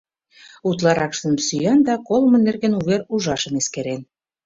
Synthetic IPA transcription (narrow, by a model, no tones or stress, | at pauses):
ut̪̬lɑɾɑkʃt̪ə̆msyjɑnd̪ɑkolmɤ̆nːerɣenuβeɾuʒɑʃə̆neskeɾen